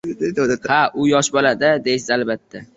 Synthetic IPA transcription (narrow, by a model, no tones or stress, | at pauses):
d̪ed̪ahaʔʊjɒʃbɒlad̪ɪd̪ejsɪzalbat̪ʰːa